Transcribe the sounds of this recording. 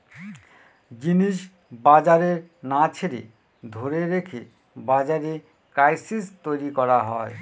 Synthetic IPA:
ɡiniʃ | bad͡ʑaɾeɾnat͡ɕʰeɾḛ | d̪ʱoɾeɾekʰe | bad͡ʑaɾe | kɾajsist̪ojɾikɔɾaɦɔe

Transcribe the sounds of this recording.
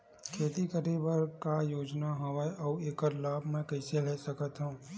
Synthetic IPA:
kʰeːt̪ikəɾibəɾkajoːd͡ʒnaɦɐʋəeʔɔːeːkəɾlaːbʱmɛ̃kɛɪseɾɛsɐkət̪ɦũː

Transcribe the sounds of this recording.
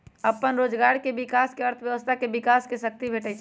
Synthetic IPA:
əpːənɾod͡ʒɡaɾkebikaskeəɾt̪ʰəbjəʋəst̪ʰakebikaskesək̚t̪ibʱeʈət͡ʃʰ

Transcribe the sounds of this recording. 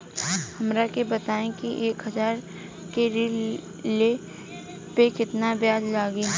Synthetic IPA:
hɐmɾakebɐt̪aːẽkiʔeːkɦɐzaːɾ | keɾɪ | le | pekɪt̪nabjaːd͡ʒlaːɡi

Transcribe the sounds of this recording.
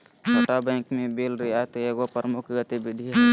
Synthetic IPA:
t͡ʃʰoːʈabɛ̃ːkmẽbelɾiat̪oeɡopəɾmʊkɡət̪ibɪd̪ʱiɦɛ

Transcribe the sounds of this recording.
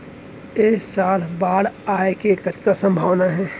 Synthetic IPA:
eːsaːlbaːɽaːekekətkasə̃mbʱaːʋnaɦɛ̃ː

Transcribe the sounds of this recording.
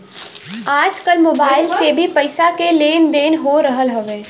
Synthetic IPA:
aːd͡ʒkəlmoːbaːɪlt͡ʃebʱipəɪsakeleːnd̪eːnɦoɾəɦəlɦəʋeː

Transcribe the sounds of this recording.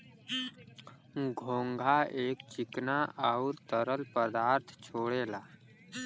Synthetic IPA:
ɡʱõːŋɡʱaʔeːkt͡ʃɪknaʔaʊɾt̪əɾəlpəd̪aːɾt̪ʰt͡ʃʰoːɽeːlaː

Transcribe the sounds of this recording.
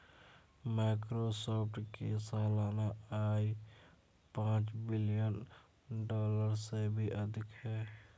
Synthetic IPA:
maɪkɾosɔːpʰʈkesaːlaːnaaːi | pãːt͡ʃbɪlijən | ɖɔːləɾsebʱiʔəd̪ʱɪkɦɛː

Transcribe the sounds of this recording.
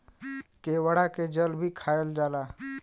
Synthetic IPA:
kewəɽaked͡ʒəlbʱikʰaeld͡ʒala

